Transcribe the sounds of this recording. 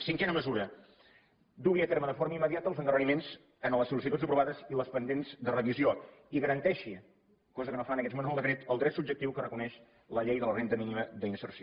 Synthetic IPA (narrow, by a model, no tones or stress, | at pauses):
siŋkɛnəməzuɾə | d̪uiət̪eɾməðəfoɾməimːəðiat̪əːlˠzəŋkərəimenz | ənləsulis̬it̪ud͡zzəpɾuβaðəziləspənd̪enzd̪ərəβizioiɣəɾənt̪ɛʃi | kɔzəkənofanəkɛt̪monəlˠd̪əkɾɛt̪əlˠd̪ɾɛt̪sub̚d͡ʒək̚t̪iwkərəkunɛʃ | ləʎejðələrent̪əminiməd̪əinsərsio